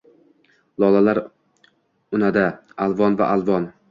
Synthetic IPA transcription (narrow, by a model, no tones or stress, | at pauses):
lˠɒlˠalaɾ | ʊnad̪aalˠvɒnva̰ʔalˠvɒn